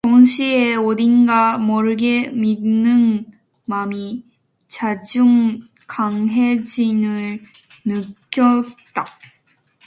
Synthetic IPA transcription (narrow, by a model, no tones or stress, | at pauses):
toŋɕʰieoɾinɡamʌɾɯɡe̞minːɯn | mami | t͡ɕad͡ʑuŋ | kaŋɦed͡ʑinɯɭnɯk͈jʌ | t͈a